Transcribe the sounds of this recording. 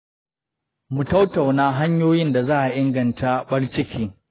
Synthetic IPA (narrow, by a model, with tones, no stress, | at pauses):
mu˨ta˦wta˨wnaː˦ɦa˦ɲjoː˦jɪ˦nda˨zaː˦ʔa˨ʔɪ˦ŋɡɐ˨ntʰa˦ɓɐ˦ɽt͡ʃɪ˦kʲiː˦